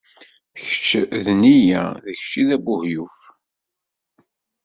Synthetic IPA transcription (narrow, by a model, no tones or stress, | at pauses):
θçə̥t͡ʃːðnijæ̰ðəçt͡ʃːiðæbʊhjuf